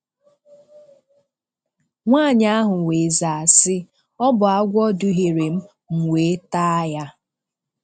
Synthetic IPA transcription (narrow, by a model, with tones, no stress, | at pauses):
ŋʷaː˦˨ɲ˦a˦ɦʊ˨we˨za˨a˨sɪ˦ | ɔ˦bʊ˨a˦ɡʷɔ˦dʊ˨ɦe˨ɾe˨m̩˦ | ŋ̩˨wʷe˨˦ta˦ja˦